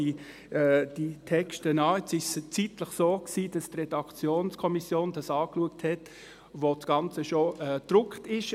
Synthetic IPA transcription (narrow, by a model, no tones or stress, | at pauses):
i | ɛd̥itʰɛkʃtənɑːɛt͡sɪʃt͡sitləχsoːksiːd̥ɑstrɛdɑkt͡sjoːnskʰɔmisjoːnd̥ɑsɑːkluəkthɛt | ʋot͡sɡ̥ɑnt͡səʃoɛd̥ɾʊktɪʃ